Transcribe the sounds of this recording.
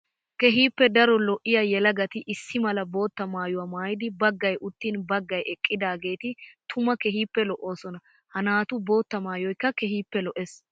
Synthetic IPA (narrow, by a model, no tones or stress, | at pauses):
kɛɦiːpːɛd̪ɐɾɔlɔʔɪjɐjɛlɐɡɐt̪ɪʔɪsːɪmɐlɐbo̞ːt̪ːɐmaːjʊwɐmaːjɪd̪ɪbɐɡːɐjʊt̪ːiːnbɐɡːɐjɛkʼːɪd̪aːɡe̞ːt̪ɪt̪ʰʊmɐkɛɦiːpːɛlɔʔːoːsɔnɐ | hɐnaːt̪ʊbo̞ːt̪ːɐmaːjɔjkːɐkɛɦiːpːɛlɔʔɛs